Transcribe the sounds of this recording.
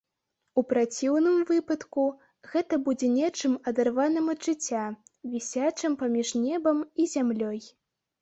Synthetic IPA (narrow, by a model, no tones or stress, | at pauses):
upɾat͡sʲiwnɨmvɨpɐt̪ku | ɣɛt̪ɐbud͡zʲɛnʲɛt͡ʂɨmɐd̪arvanɨmɐd̪ʐɨt͡sʲːavʲisʲat͡ʂɨmpamʲiʐnʲɛbɐmizʲamlʲɔj